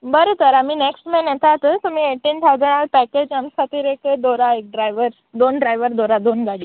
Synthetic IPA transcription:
bəɾot̪əɾam̤iːneksʈmenjɛt̪at̪ət̪umiːeʈiːnt̪ʰawd͡zəɽ̃alpæked͡ʑamsat̪iːɾeked̪oɾaek̚ɖɾajʋəɾ | d̪onɖɾajʋəɾd̪oɾad̪onɡaɽiː

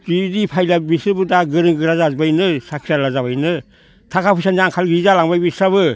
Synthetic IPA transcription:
tidipʰajlabisɯbɯdaɡɯɾɯŋɡɯɾazazbajnɯsakʰialazaβajnɯ | tʰakʰapʰusanaŋkʰalɡizalaŋbajbisaβɯ

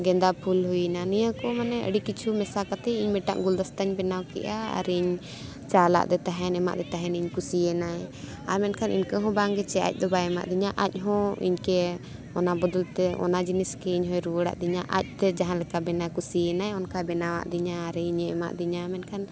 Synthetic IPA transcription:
ɡɛnd̪apʰulɦujinanijakɔmanɛʔə̰ɖikit͡ʃʰumɛsakat̪ɛiɲmɛʈa̰ʔɡuld̪ast̪aɲbɛnawkɛ̰ʔaa̰ɾɛiɲ | t͡ʃala̰ʔd̪ɛt̪aɦɛnɛma̰ʔd̪ɛt̪aɦɛniɲkusiɛnaɛ | amɛnkʰanʔḭɲkəɦɔ̃baŋɡɛt͡ʃɛa̰c̚ˀd̪ɔbaɛma̰ʔd̪iɲaʔac̚ˀɦɔ̃ḭɲkɛ | ɔnabɔd̪ɔlt̪ɛʔɔ̰nad͡ʒiniskɛiɲɦɔ̃jɾuwəɽa̰ʔd̪iɲaʔa̰c̚t̪ɛd͡ʒaɦãlɛkabɛnakusiɛnajɔnkabɛnawa̰ʔd̪iɲaːɾɛiɲɛɛma̰ʔd̪iɲaːmɛnkʰan

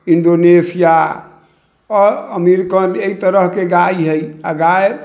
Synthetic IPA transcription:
iɳɖonesija | ɔɾəmiɾkəneit̪əɾəɦkeɡaiɦəjaɡaj

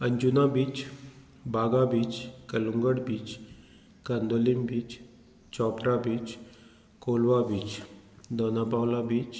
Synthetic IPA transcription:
əɲd͡ʑunabiːt͡s | baɡabiːt͡skəluŋɡəɽbiːt͡s | kand̪olimbiːt͡s | t͡ɕɔpɾabiːt͡s | kolʋabiːt͡ɕd̪ɔnapawlabiːt͡s

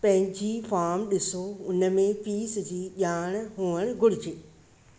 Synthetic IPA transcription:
pɐ̃ɦɪ̃ɲd͡ʑifʰaːmɗɪsoʊnəmẽpiːsd͡ʑiːʄaːɽ̃ɦoːəɽ̃ɡʊɽɪd͡ʑeː

